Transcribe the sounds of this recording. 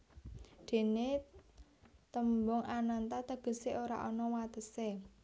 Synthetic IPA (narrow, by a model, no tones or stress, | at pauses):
d̪̥e̤ne | t̪əmbɔŋanant̪at̪əɡ̥ə̤seʔoɾa̰ʔɔnɔwat̪əse